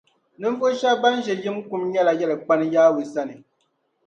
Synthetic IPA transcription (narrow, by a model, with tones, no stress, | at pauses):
nɨ˦ɱ˦vo˦ʃa˦ba˦n˦ʒɛ˨jɨ˦mku˨mɲɛ˦la˨jɛ˦lɨ˨k͡pa˦nɨ˦jaː˦wi˨sa˦nɨ˨